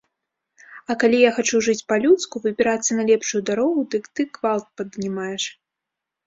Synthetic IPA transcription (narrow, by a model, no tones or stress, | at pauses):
ɐkalʲijaxat͡ʂuʐɨt͡sʲpɐlʲut̪skuvɨbʲɪɾat̪sːɐnɐlʲɛpʂujud̪aɾɔɣud̪ɨkt̪ɨkvalˠt̪̚pɐd̪nʲimajɛʂ